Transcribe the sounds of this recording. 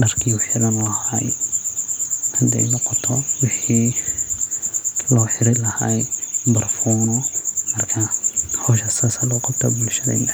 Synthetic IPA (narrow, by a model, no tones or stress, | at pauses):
ɖɐrkʰiʊħɪɾɐnlɐhaj | hɐd̪ɛ̰jnɔqɔt̪ʰɔwɪħiː | lɔːħɪɾɪlɐhajbɐrfɔːnɔmɐrkʰɐhɔːʃɐsasɐlɔːqɑb̚t̪ʰɐ̰bʊlʃɐɾɛ̰jnɐh